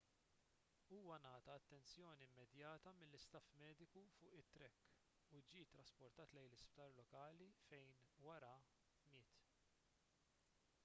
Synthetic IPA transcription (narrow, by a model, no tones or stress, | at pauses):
uːwɐnɐːt̪ɐɐt̪ːɛnt͡sjɔːniɪmːɛd̪jɐːt̪ɐmɪlːɪst̪ɐfmɛːd̪ɪkufʊːʔɪt̪ːɾɛkː | ud͡ʒiːt̪ːɾɐspɔɾt̪ɐːt̪lɛjlɪspt̪ɐɾlɔkɐːlifɛjnwɐɾɐ | mɪːt̪